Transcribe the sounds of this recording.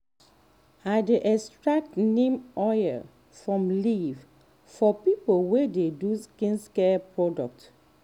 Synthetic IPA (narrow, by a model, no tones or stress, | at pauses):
adeʔɛstɹak̚tnẽmɔjɛ̰ | fɹɔ̃mliv | fɔpipowededuskĩnskɛpʰɹɔdɔk̚t